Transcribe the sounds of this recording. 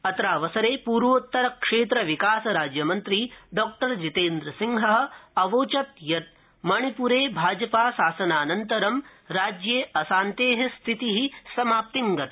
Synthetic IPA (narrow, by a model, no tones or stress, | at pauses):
ɐt̪ɾaːʋɐsɐɾeːpuːɾʋʋot̪ːɐɾɐkʂeːt̪ɾɐʋikaːsɐɾaːd͡ʒjɐmɐnt̪ɾiɖɔːk̚ʈɐɾd͡ʒit̪eːnd̪ɾɐsiŋɦɐɦ̆ɐʋoːt͡ʃɐt̪jɐt̪̚ | mɐɳ̃ipuɾeːbʱaːd͡ʒɐpaːsaːsɐnaːnɐnt̪ɐɾɐmɾaːd͡ʒjeːɐsaːnt̪eːɦɐst̪ʰit̪iɦisɐmaːp̚t̪iŋɡɐt̪